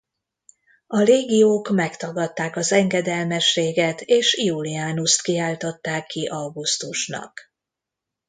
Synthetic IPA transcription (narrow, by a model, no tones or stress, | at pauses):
ɒɾeːɡijoːkmɛkt̪ɒɡɒt̪ːaːkɒzɛŋɡɛd̪ɛlmɛʃːeːɡɛt̪eːʃiuliaːnust̪kiaːlt̪ot̪ːaːkːiʔɒwɡust̪uʃnɒ̰k